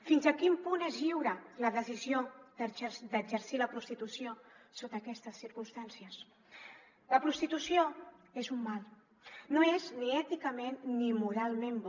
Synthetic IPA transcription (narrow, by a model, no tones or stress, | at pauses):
finzəkimpunezʎiwɾələðəziziod̪̥əʒəsd̪əd͡ʒəɾsiləpɾust̪it̪usiosot̪əːkɛst̪əsːiɾkumst̪ansiəs | ləpɾust̪it̪usioezumːalˠ | noezniɛt̪ikəmenːimuɾalˠmemb